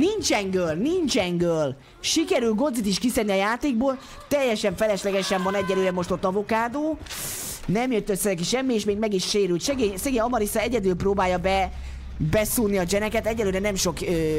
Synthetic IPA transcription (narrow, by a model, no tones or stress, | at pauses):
nint͡ʃɛŋɡøːlnint͡ʃɛŋɡøl | ʃikɛɾylɡo̞d̪zit̪iʃkisɛrniɒjaːt̪eːɡ̚boːl | t̪ɛjːɛʃɛɱfɛlɛʃlɛɡɛʃɛɱvɒnɛɟːɛløːɾɛmo̞ʃt̪ot̪ːɒvokaːd̪oː | nɛmjøt̪ːøsːɛɾɛk̬iʃɛmːieːʃmeːɡmɛɡiʃʃeːɾylʃɛɡeːɲsɛɡeːɲɒmɒɾisɛɛɟɛd̪ylproːbaːjɒbɛ | bɛsuːniɒd͡ʒɛnɛkɛt̪ɛɟːɛløːɾɛnɛmʃo̞kø